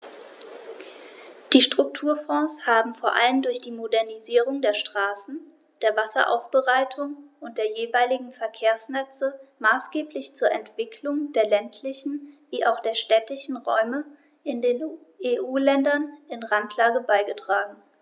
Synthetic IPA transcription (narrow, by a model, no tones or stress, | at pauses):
d̥iːʃtʁ̥ʊk̚tʰuːɐfɔ̃ːshaːbm̩foːɐʔa̰ləmdʊɐçd̥iːmodɛɐniziːʁʊŋdeːɐʃtʁ̥aːsn̩ | d̥eːɐvasɐ̰ʔa̰ʊfb̥əʁaɪtʰʊŋʊnt̚d̥eːɐjeːvaɪlɪɡŋ̩fɛɐkʰeːɐsnɛt͡səmaːsɡ̥eːplɪçt͡suːɐʔɛntv̥ɪkʰlʊŋd̥eːɐlɛntʰlɪçn̩viːʔaʊxd̥eːɐʃtɛtɪçn̩ʁɔ̰ʏmə | ʔɪndeːneːʔuːlɛndɐnɪnʁantʰlaːɡəbaɪɡətʁ̥aːɡŋ̩